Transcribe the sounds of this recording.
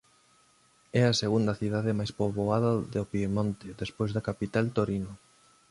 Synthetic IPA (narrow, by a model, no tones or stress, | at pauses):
ɛɐseɣund̪ɐθiðaðɪmajspoβoaðɐðopimõnt̪eðespojzðɐkapit̪alt̪oɾino